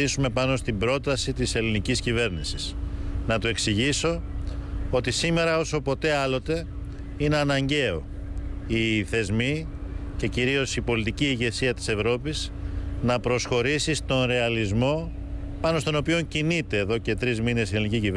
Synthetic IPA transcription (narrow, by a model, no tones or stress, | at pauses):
isume̞pɐno̞st̪ibɾo̞t̪ɐsit̪ise̞liniciscive̞ɾnisisnɐt̪ue̞ksiʝiso̞ | o̞t̪isime̞ɾɐo̞so̞po̞t̪e̞ɐlo̞t̪e̞ | ine̞ɐnɐɲɟe̞o̞̰ | iθe̞zmi | ce̞ciɾio̞sipo̞lit̪iciːʝe̞siɐt̪i̥se̞vɾo̞pis | nɐpɾo̞sxo̞ɾisist̪o̞nɾe̞ɐlizmo̞ | pɐno̞st̪o̞no̞pio̞ɲcinit̪e̞ːðo̞ce̞t̪ɾizmine̞sieliniciciv